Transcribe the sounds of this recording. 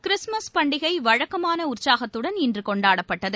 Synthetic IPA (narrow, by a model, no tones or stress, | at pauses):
kɪɾɪsmɐspɐɳɖɪɣɐɪʋɐɻɐkːɐmaːnɐʊrsaːɣɐt̪ːɯɽɐnɪndrɯkɔɳɖaːɽɐpːɐʈːɐðɯ